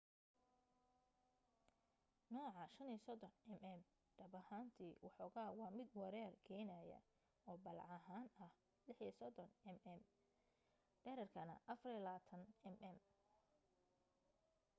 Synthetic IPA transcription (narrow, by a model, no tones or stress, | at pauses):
nɔːʕɑʃɐniːsɔd̪ɔnɛmɛm | ɖ̥ɐbɐhaːnt̪ʰiːwɑħɔɣaːwɑːmɪd̪wɐɾɛrkʰɛːjnɐjɐ̰ | ɔːbɐlʕɑɦaːnɐh | lɪħisɔd̪ɔnɛmɛm | ɖ̥ɛːɾɐrkʰɐnɐ̰ʔɐfɐrilaːt̪ʰɐnɛmʔɛm